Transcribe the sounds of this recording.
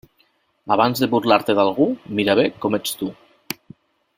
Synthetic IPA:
aβ̞anzðeβuɾlaɾt̪eðalˠɣ̞umiɾaβekɔmet͡st̪u

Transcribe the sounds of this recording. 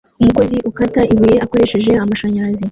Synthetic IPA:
umuko̞ziʔukataiβuje̞ʔako̞ɾe̞ʃe̞ʒe̞amaʃaɲaɾazi

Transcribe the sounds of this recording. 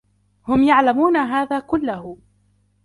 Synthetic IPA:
hʊmjaʕlamuːnaɦaːðaːkʊlːahʊ

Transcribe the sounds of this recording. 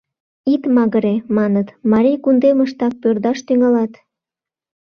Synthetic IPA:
it̪mɑɣəɾemɑnət̪mɑɾijkund̪eməʃt̪ɑk̚pørd̪ɑʃt̪yŋɑlɑt̪

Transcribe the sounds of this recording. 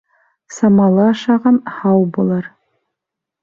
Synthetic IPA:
samalaaʂaʁanħawbɨlar

